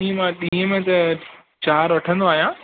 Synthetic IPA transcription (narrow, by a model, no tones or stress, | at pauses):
ĩːmãɗĩːəmẽt̪ɐ | t͡ɕaːɾʋɐʈʰə̃nd̪oaːɦijãː